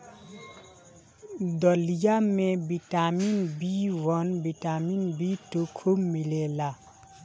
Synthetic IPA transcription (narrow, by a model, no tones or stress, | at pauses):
d̪ɔlijamẽbiʈaminbiwɔnbiʈaminbitukʰumilela